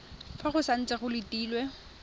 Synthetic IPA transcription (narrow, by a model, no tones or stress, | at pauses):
faχʊsan̩t͡sʼɛχʊlɪtʼiːlwɛ